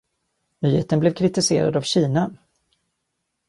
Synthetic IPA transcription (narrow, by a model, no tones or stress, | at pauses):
myːhḛːt̪ənblɛvkʰɾɪt̪ɪsḛːɾa̰d̪avɕiːna